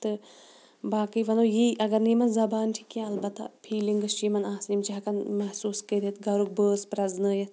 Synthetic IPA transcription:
t̪ɨ | baːkɨjʋɐnoːjiʔɐɡɐɾniːmɐnzɐbaːnʈʰi̥kːẽɐlbɐt̪ːa̰pʰiːliŋɡɨst͡ʃimɐnaːsnimt͡ʃiɦɐkɐnmɐhsuːskəɾet̪ɡɐɾuk̚bəːspɾɐznɨːjɐt̪̚ʰ

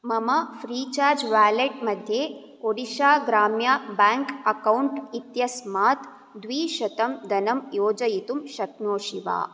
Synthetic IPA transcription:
mɐmɐfɾiːt͡ʃaːɾd͡ʒʋaːleʈ̚mɐd̪ʱjeː | koɽiʃaːɡɾaːmjabaːŋkɐkɐwɳʈit̪jɐsmaːt̪ | d̪ʋiːʃɐt̪ɐmd̪ɐnɐmjoːd͡ʒɐjit̪umʃɐkmoːʃiʋa̰ː

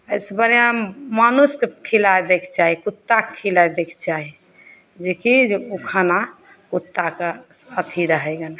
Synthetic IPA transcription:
əjsbəɾijãmanuskekʰilajd̪ekʰt͡ʃaɦikut̪ːakekʰilajd̪ekʰt͡ʃaɦi | d͡ʒekiukʰana | kut̪ːakeət̪ʰiɾəɦɛɡən

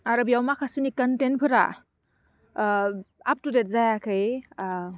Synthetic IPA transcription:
aɾɯbijawmakʰasinikantenpʰɯɾa̰ | ap̚tudet̚zajakʰaj

